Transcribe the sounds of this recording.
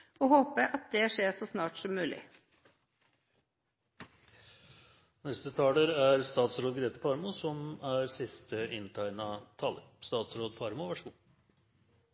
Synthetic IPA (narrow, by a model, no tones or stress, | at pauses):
oːhoːpəʔɑt̪̚d̪ɛʂeːsoːsnɑːʈsɔmːʉːlʔɪ̰ | nɛst̪ət̪ʰɑːləɾæɾst̪ɑːt̪sɾoːd̪ɡɾeːt̪əfɑɾmʊsɔmæɾsɪst̪əʔɪnt̪ʰæɪnɑt̪ʰɑːləɾst̪ɑːt̪sɾoːd̪fɑɾmʊʋæʂəɡuː